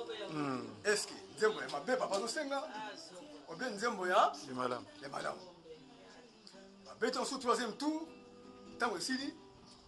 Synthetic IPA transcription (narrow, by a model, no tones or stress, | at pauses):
ɛskenzembojamabebapazoseŋɡa | obenzembojamalamjama̰la̰mu | mabetsutuazem̩tu | ntaŋɡoesili